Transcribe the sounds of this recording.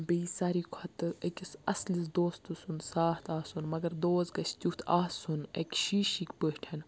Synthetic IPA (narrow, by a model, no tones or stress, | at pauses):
beːsaɾikʰɐt̪ɨekʲisɐslisd̪oːst̪usunsaːht̪aːsunmɐɡɐɾd̪oːzɡɐt͡ʃʰt̪ʲut̪ʰaːsunḛkʲʃiːʃikʲpəhʈʰɐn